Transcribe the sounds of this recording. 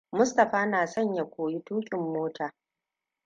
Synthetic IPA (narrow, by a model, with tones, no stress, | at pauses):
mʊ˦stɐ˨ɸaː˦naː˨sɐ˦˨ɲja˨kʷoː˨ji˦tuː˦kʲʼɪ˨mːoː˦tʰaː˨